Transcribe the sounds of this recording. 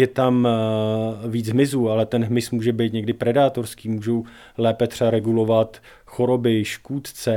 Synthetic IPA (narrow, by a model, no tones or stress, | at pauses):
jɛt̪am | viːt͡sɦmɪzuːalɛt̪ɛnɦmɪsmuːʒɛbɛjt̪ɲɛɡdɪpɾɛdaːt̪o̞ɾskiːmuːʒow | lɛːpɛt̪r̥ɛbaɾɛɡulo̞vat̪ | xo̞ɾo̞bɪʃkuːt̪t͡sɛ